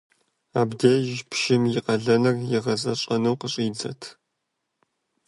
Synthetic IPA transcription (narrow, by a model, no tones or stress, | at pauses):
aːbdeːʒpʰʃɪmjɪqɐɮɐnɨrjɪʁɐzɐɕʼɐnɐwqəɕʼiːd͡zɐ̰tʰ